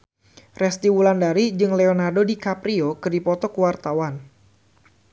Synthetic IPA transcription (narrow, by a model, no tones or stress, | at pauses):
rɛst̪iwulandaɾid͡ʒɨŋlɛonardodikapɾiokɨdipɔt̪ɔkuwart̪awan